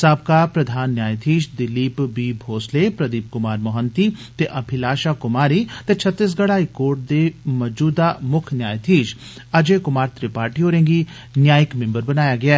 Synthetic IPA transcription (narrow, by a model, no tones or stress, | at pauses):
saːb̚kaːpɾɐd̪ʱaːnːjaːjt̪ʰiːʃd̪ɪliːpbiːbʱoːsleːpɾəd̪iːp̚kʊmaːɾmɔɦənt̪iːt̪eʔɐpʰɪlaːʃaːkʊmaːɾiːt̪et͡ʃʰət̪ːis̬ɡɐɽaːikoːɾʈ̚d̪eːməd͡ʒuːd̪aːmʊkʰnjaːjt̪ʰiːʃ | ɐd͡ʒeːkʊmaːɾt̪ɾiːpaːɾʈiɦoːɾẽːŋɡi | njaːjɪkmẽmbəɾbɐnaːjaːɡɪa